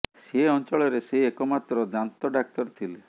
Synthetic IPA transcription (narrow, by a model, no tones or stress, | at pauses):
seɔnt͡ʃɔɭɔɾeseɦiekɔmat̪ɾɔd̪ant̪ɔɖak̚t̪ɔɾt̪ʰile